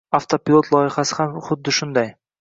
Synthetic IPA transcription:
aft̪ʰopʲɪlˠo̞t̪ʰlˠɒjɪhasɪhamχʊd̪ːɪʃʊnd̪aj

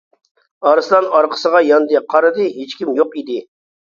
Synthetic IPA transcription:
ɑɾɨslˠɑnɑɾqʰə̥səʁɑjɑnd̪ɨqʰɑɾɨd̪ɨɦet͡ʃkʲimjoqid̪ɪ

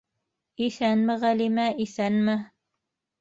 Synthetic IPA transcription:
iθænmɘʁælimæʔiθænmɘ

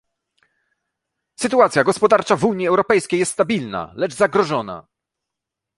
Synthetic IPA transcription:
sɘt̪uat̪sʲjaɡɔspɔd̪aɾt͡ʂavuɲiɛwɾɔpɛjskʲejɛst̪ːt̪abʲilna̰lɛd͡ʐzaɡɾɔʐɔna̰

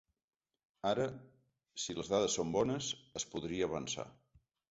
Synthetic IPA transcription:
aɾə | siləzðaðəsːombɔnəsəspuðɾiəːβ̞ənsa̰

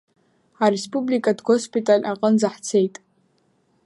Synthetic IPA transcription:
aɾespʼublikʼadɡʷospʼitʼalʲʔaqʼənzaħt͡sʰe̞jtʼ

